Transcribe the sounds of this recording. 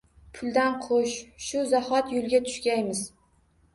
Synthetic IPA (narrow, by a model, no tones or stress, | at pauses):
pʰʊlˠd̪anqʰoʃʃʊzahɒt̪jʊlˠɡʲat̪ʰʊ̥ʃkʲajmɪz